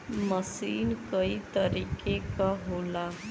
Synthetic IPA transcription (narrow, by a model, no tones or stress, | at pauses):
mʌsinkʌjt̪ʌɾikekaɦola